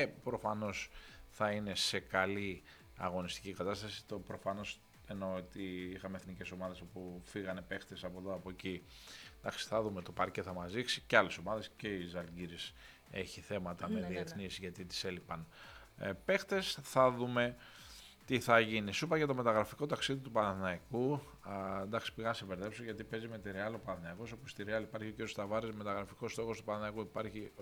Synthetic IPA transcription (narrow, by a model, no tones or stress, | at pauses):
epɾo̞fɐno̞sθɐine̞se̞kɐli | ɐ̰ɣo̞nist̪icikɐt̪ɐst̪ɐsi̥t̪opɾo̞fɐno̞s | e̞no̞ot̪iixɐmeθnice̞so̞mɐðe̞so̞pufiɣɐne̞pe̞xt̪e̞sɐpoðoɐpoeci | d̪ɐksi̥θɐðumet̪opɐɾce̞θɐmɐziksiceɐle̞so̞mɐðe̞sce̞izɐlɟiɾis | eçiθe̞mɐt̪ɐmeðie̞θnisʝɐt̪it̪i̥se̞lipɐn | pe̞xt̪e̞sθɐðume̞ | t̪iθɐʝinisupɐʝɐt̪o̞me̞t̪ɐɣɾɐfiko̞t̪ɐksiðit̪upɐnɐθnɐiku | nd̪ɐksi̥piɣɐnɐseve̞ɾðe̞psoʝɐt̪ipe̞zime̞t̪iɾeɐlo̞pɐnɐθnɐiko̞so̞pust̪iɾeɐlipɐɾçio̞ciɾijost̪ɐvɐɾezme̞t̪ɐɣɾɐfiko̞st̪o̞xo̞st̪upɐnɐθnɐikuipɐɾçi